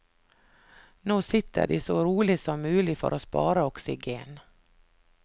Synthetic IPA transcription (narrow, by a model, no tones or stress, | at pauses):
noːsɪt̪ʰːə̰ɖɪ̰ːsoɾuːlɪsɔmːʉːlɪfɔ̰ɾʔoːspɑ̰ːɾaɔksɪɡeːn